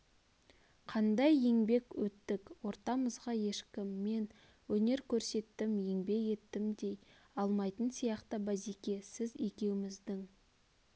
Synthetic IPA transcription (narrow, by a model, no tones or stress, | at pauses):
qʰɑnd̪ɑjeŋbe̞kwɵt̪ːɪkwo̞ɾt̪ɑməzʁɑje̞ʃkʲɪmːe̞n | wɵne̞ɾkʲʰɵɾse̞t̪ːɪmje̞ŋbe̞je̞t̪ːɪmd̪e̞j | ɑlˠmɑjt̪ənsijɑqt̪əbæzikʲe̞sɪze̞kʲe̞wɪmɪzd̪ɪŋ